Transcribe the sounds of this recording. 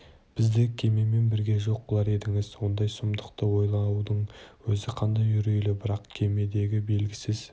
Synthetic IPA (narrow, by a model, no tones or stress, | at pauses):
b̥ɪzd̪ɪkʲʰe̞me̞me̞nbɪɾɡʲe̞ʒo̞q̚bəlˠɑɾe̞d̪ɪŋɪzwo̞nd̪ɑjsʊmd̪əqt̪əwo̞jlˠɑud̪əɴwɵzɪqʰɑnd̪ɑjʒʏɾejlɪbɪɾɑqkʲʰe̞me̞d̪e̞ɡʲɪbe̞lɡʲɪsɪz